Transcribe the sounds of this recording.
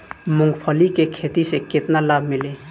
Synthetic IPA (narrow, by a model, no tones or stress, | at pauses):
mʊ̃ŋɡpʰəlikekʰet̪iseket̪nalabʱmɪle